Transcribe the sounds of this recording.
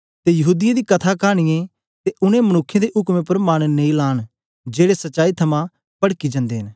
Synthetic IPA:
t̪ejɐɦuːd̪ɪjad̪ikɐt̪ʰakaːɽ̃ɪjẽ | t̪eʔʊñẽmɐnʊkʰːjẽd̪eʔʊkmẽpɐɾmaːnnẽĩlaːn | d͡ʒeːɽesɐtːʃaːit̪ʰɐmã | pɐɽkid͡ʒɐ̃nd̪eːɦɪn

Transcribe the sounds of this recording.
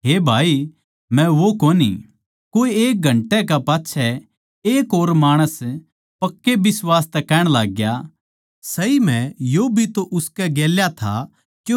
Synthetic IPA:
ɦeːbʱaːi | mɛ̃ʋokoːnḭ | koːieːk̚ɡʱɐ̃ɳʈɛkapaːtːʃʰɛ | eːkoːɾmaːɽ̃əs | pɐkːebɪswaːst̪ɛkɛːɽ̃laːɡja | sɐim̤ɛ̃jobʱit̪oʔʊskɛɡeːljat̪ʰa̰ | kjo

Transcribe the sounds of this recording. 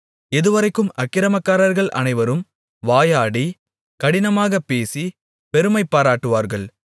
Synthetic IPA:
ɛðɯʋɐɾɐɪkːɯmɐkːɪɾɐmɐkːaːɾɐɾɣɐɭʔɐ̰nɐɪʋɐɾɯm | ʋaːjaːɽi | kɐɽɪnɐmaːɣɐpːeːsi | pɛɾɯmɐɪpːaːɾaːʈːɯʋaːɾɣɐɭ

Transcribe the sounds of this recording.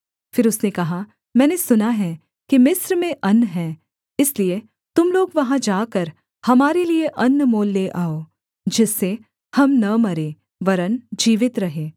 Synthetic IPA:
fɪɾʊsnekɐɦa | mɛ̃ːnesʊnaɦɛ | kimɪsɾmẽʔɐnːɦɛː | ɪslie | t̪ʊmloːɡʋɐɦãd͡ʒaːkɐɾ | hɐmaːɾelieʔɐnːmoːlːeʔaːoː | d͡ʒɪsːe | hɐmnɐmɐɾeː | ʋɐɾənd͡ʒiːʋɪt̪ɾɐɦeː

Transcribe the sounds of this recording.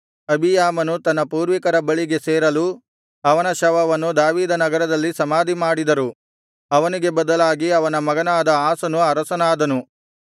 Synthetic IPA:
ɐbʱijaːmɐnut̪ɐnːɐpuːɾʋikɐɾɐbɐɭiɡe̞seːɾɐlu | ɐʋɐnɐʃɐʋɐʋɐnːud̪aːʋiːd̪ɐnɐɡɐɾɐd̪ɐlːisɐmaːd̪ʱimaːɽid̪ɐɾu | ɐʋɐniɡe̞bɐd̪ɐlaːɡiɐʋɐnɐmɐɡɐnaːd̪ɐaːsɐnuɐɾɐsɐnaːd̪ɐnu

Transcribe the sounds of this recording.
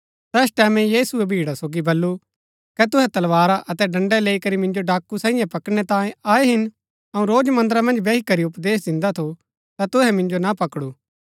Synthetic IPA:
t̪ɛːsʈɛːmɛ̃jiːsʊɛbʱiːɽasoːɡibɐlːu | kɛt̪ʊɦɛt̪ɐlʋaːɾaʔɐt̪ɛɖɐ̃ɳɖɛleːikɐɾimɪ̃nd͡ʒoɖaːkːusãːɪ̃jãpɐkɽ̃ɛt̪ãːẽaːeɦɪn | ɐũɾoːd͡ʒmɐ̃nd̪əɾãmɐ̃nd͡ʒbeːikɐɾiʊpd̪eːs̬d̪ɪ̃nd̪at̪ʰo | t̪at̪ʊɦɛmɪ̃nd͡ʒonapɐkɽuː

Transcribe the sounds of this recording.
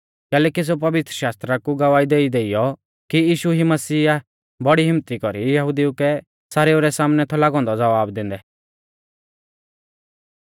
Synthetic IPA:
kɛːlɛkis̬epɐʋɪt̪ɾəʃaːst̪ɾakuɡɐʋaːid̪eːid̪eːijɔ | kiiːʃuɦimɐsiːa | bɔɽiɦɪmt̪ikɔɾijɐɦʊd̪iukɛ | saɾeːoɾɛsaːmnɛt̪ʰɔlaːɡɔ̃nd̪ɔd͡zɐʋaːbd̪ɪ̃n̆d̪ɛ

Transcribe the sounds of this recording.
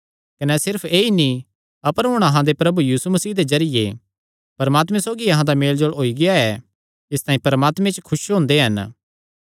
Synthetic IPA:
kɐnɛsɪɾpʰeːinĩ | ɐpəɾɦʊ̃ɽ̃ɐɦãd̪epɾɐbujiːsumɐsiːd̪ezɐɾɪjḛ | pɐɾmaːt̪mɛ̃soːɡiɐɦãd̪ameːld͡ʒoɭoːiɡɪaɛ | ɪst̪aːĩpɐɾəmaːt̪mẽt͡ʃkʰʊʃɦõːnd̪eɦɐn

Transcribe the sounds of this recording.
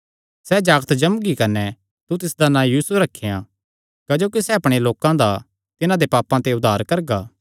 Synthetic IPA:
sɛd͡ʒaːɡt̪d͡ʒɐmɡikɐnɛ | t̪ut̪ɪsd̪anãːjiːsuɾɐkʰːejã | kɐd͡ʒoːkisɛɐpɽ̃eloːkãd̪a | t̪ɪnãd̪epaːpãt̪eʊd̪ʱaːɾkɐɾɡaː

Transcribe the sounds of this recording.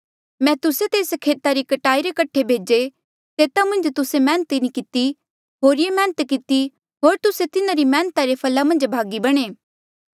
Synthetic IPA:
mɛ̃ːt̪ʊset̪eːskʰeːt̪aɾikɐʈaːiɾekɐʈʰːebʱeːd͡ʒe | t̪eːt̪amɐ̃nd͡ʒt̪ʊsemɛ̃ːnət̪inikɪt̪i | ɦoːɾɪjemɛ̃ːnət̪kɪt̪i | ɦoːɾt̪ʊset̪ɪnãɾimɛ̃ːnt̪aɾepʰɐlamɐ̃nd͡ʒbʱaːɡibɐɽ̃eː

